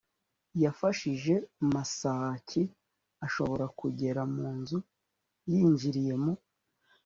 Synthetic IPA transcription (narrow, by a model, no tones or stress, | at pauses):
jafaʃiʒe̞masaːcʰi | aʃo̞βo̞ɾakuɟe̞ɾamuːnzu | jiːɲd͡ʒiɾije̞mo